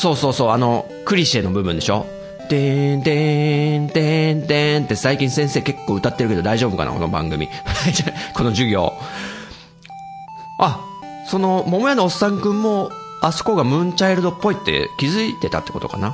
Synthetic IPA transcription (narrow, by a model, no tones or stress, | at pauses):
so̞ːsoːso̞ːano̞ | kɯ̟ɾʲiɕenobɯ̟bɯ̟̃nd̪e̞ɕo̞̰ | t̪et̪ent̪ẽnt̪ẽnt̪e̞saikʲĩɰ̃sẽ̞ɰ̃se̞ːke̞kːo̞ːɯ̟t̪at̪ːe̞ɾɯ̟ke̞d̪o̞d̪aiʑo̞ːbɯ̟ka̰nʔa̰ko̞no̞̰bã̰ŋɡɯ̟mʲḭ | ko̞no̞ʑɨɡʲo̞̰ː | a | so̞no̞mo̞mo̞janoːsːãŋkɯ̟̃mːo̞ | asɨ̥ko̞ɡamɯ̟̃ɲt͡ɕaiɾɯd̪o̞pːo̞it̪ːe̞̰kʲizɨit̪e̞t̪a̰t̪ːe̞ko̞t̪o̞ka̰na